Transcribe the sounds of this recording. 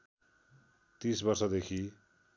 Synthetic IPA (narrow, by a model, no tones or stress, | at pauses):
t̪ĩsbʌrsʌd̪ekʰi